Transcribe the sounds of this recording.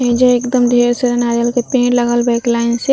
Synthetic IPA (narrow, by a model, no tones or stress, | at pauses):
ɦẽd͡ʒəekd̪əmd̪ʱeɾseɾənaɾəlkepẽːʈləɡəlbaɪklaɪnse